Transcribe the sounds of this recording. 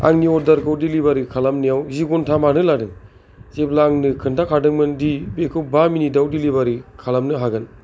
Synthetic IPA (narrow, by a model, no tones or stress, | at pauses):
a̰ŋniɔdaɾkʰɯwdilibaɾikʰalamnijawziɡɔntʰamanɯladɯŋ | zep̚laŋnɯkʰɯntʰakʰadɯŋmɯndibekʰɯw̚baminidawdilibaɾikʰalamnɯɦaɡɯn